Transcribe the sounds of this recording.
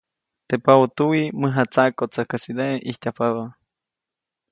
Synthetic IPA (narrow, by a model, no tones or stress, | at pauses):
t̪epaot̪uwiməɦat͡sakot͡sakəsid̪eʔihtʲapaβa